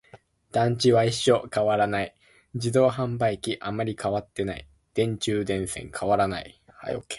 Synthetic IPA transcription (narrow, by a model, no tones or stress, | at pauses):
d̪̥ãɲ̟t͡ɕiβaiɕːo̞kaβaɾanai | d͡ʑid̪o̞ːɦãmbaikʲiʔamaɾʲikaβat̪ːe̞naḭ | d̪̥ẽ̞ɲ̟t͡ɕɨːd̪ẽ̞ɰ̃sẽ̞̰ŋkʰaβaɾanai | ha̰joke̥